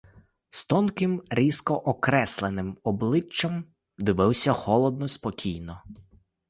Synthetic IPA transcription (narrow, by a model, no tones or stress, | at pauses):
st̪ɔnkɪmɾʲiskɔʔɔkɾɛslˠenɪmɔblˠɪt͡ʃːɐm | d̪ɪʋɪwsʲɐxɔlˠɔd̪̚nɔspɔkʲʰijnɔ